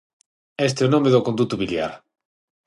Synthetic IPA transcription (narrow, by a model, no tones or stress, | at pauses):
est̪eonõmeðokond̪ut̪uβilja̰ɾ